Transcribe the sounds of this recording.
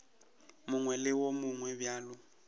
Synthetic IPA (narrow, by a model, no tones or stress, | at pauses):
mʊŋwɛlɪwomʊŋwɛbjaːlʊ